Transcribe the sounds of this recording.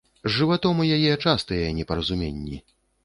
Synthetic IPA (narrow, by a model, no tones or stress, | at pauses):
ʐɨvat̪ɔmɐjajɛt͡ʂast̪ɐjɛnʲɛpɐɾɐzumʲenʲːi